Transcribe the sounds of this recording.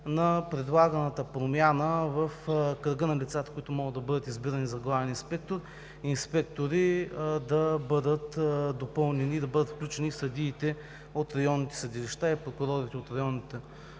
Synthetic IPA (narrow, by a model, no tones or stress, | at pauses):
nɐpɾɛd̪lˠaɡɐnət̪əpɾomʲjanəvɐfkɾəɡənɐlit̪sat̪ə̥kʊit̪ʊmɔɡəd̪d̪ɐbɤd̪ət̪izbiɾɐnizɐɡlˠavɛninspɛk̚t̪oɾ | inspɛk̚t̪oɾid̪ɐbɤd̪ət̪d̪opɤlˠnɛnid̪ɐbɤd̪ət̪fklʲut͡ʃɛnifsɐd̪ʲiːt̪ɛ | ot̪ɾɐjɔnːit̪ɛ̥sɐd̪iliʃt̪aipɾokʊɾɔɾit̪ɛot̪ɾɐjɔnit̪ɛ